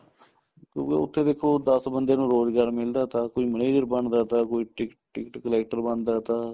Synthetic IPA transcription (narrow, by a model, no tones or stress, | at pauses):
kjõ̰ːkḛʊ̰t̪ʰːeːd̪eːkʰːoːd̪əsbənd̪eːnũːɾoːzɡaːɾmɪld̪aːt̪ãːkoiːməneːd͡ʒəɾbəɳd̪aːt̪ãːkoːiːʈɪk | ʈɪkʈkəlɛːk̚ʈəɾbəɳd̪aːt̪ãː